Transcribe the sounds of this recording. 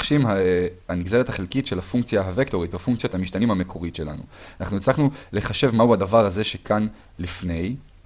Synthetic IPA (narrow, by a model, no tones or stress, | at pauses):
ʃimhaaniɡzeʁethaχelkitʃe̞lafuŋkt͡sjaɦavekto̞ʁitofuŋkt͡sjothamiʃtanimhamekʰo̞ʁitʃe̞la̰nṵanaχnuet͡slaχnule̞χaʃe̞vmauadavaʁhaze̞ʃe̞kʰan | lifne̞j